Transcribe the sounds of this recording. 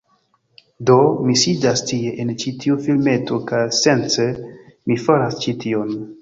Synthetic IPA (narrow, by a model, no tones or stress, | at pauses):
do̞misidastie̞ʔent͡ʃitʰiufilme̞to̞kajse̞nt͡semifaɾast͡ʃitʰion